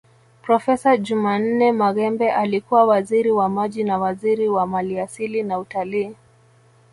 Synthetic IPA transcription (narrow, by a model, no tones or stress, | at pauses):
pɾɔfɛsaʄuman̩nɛmaɣɛmbɛʔalikuwawaziɾiwamaʄinawaziɾiwamaliasilinautaliː